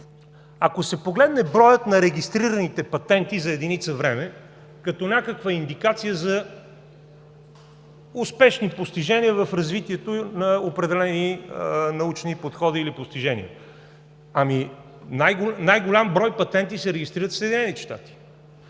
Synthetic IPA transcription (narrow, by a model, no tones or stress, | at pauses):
ɐkosɛpoɡlɛd̪nɛbɾɔjət̪nɐɾɛɡ̟ist̪ɾiɾənit̪ɛpɐt̪ɛnt̪izɐɛd̪init̪səvɾɛmɛ | kɐt̪ɔnʲakəkvɐind̪ikat̪sijəzɐ | ʊspɛʃnipost̪iʒɛniəvɐfɾɐzvit̪iɛt̪onɐopɾɛd̪ɛlɛninɐut͡ʃnipot̪xɔd̪iːlipost̪iʒɛnḭə̰ | ɐmi | najɡnajɡolʲambɾɔjpɐt̪ɛnt̪isɛɾɛɡist̪ɾiɾət̪səɛd̪inɛnit̪ɛʃt̪a̰t̪i̥